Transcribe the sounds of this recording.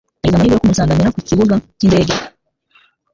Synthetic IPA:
aɟizamaiɡejokumusaːŋɡamiɾakuciβuɡaciːnde̞ːɟe

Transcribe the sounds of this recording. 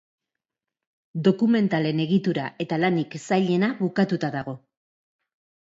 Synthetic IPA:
d̪o̞kume̞nt̪ale̞ne̞ɣit̪uɾaʔe̞t̪alaniksajʎe̞naβukat̪ut̪aðaɣ̞o̞

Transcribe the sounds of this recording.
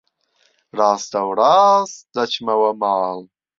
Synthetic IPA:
ɾaːsd̪ɐwɾaːsd̪ɐt͡ʃʰmɐwɐmaːl

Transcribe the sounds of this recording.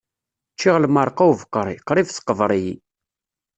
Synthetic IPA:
t͡ʃːiʁlməɾˤqawvəqːɾˤiqɾˤifsə̥qːəvɾˤiji

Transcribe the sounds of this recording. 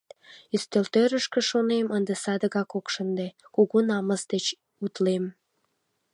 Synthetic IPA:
yst̪ølt̪øɾəʃkə̆ʃonemənd̪esɑd̪əɣɑkokʃənd̪ekuɣonɑməzd̪et͡ɕ | ut̪lem

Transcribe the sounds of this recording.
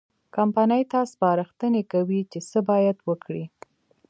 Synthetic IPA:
kampanəjt̪ɑspɑɾəxt̪ənekawit͡ʃesəbɑjad̪wəkɽi

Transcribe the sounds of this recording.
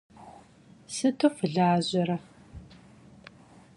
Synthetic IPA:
sɨtʰofɨɮaːʑɐɾɐ

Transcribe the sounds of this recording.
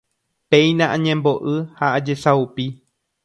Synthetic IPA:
peij̃nãʔãɲẽmbo̞ʔɨhaʔad͡ʒesaupi

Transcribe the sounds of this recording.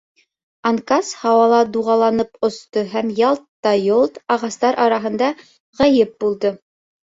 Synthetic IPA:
ɑŋkɑshɑwɑlˠɑd̪uʁɑlˠɑnɤpŏst̪oɦæmjɑlˠt̪ɑjolˠt̪ɑʁɑst̪ɑɾʔɑɾɑɦɤ̆nd̪ɑ | ʁɑjɘp̚bulˠd̪ɤ

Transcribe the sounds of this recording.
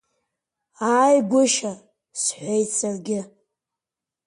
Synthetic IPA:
aːjɡʷʊʃa | sħʷejt͡sʰarɡʲɪ

